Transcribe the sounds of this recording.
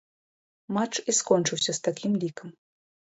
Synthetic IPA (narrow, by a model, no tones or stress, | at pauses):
mat͡ʂiskɔnʲt͡ʂɨwsʲɐst̪akʲimlʲikəm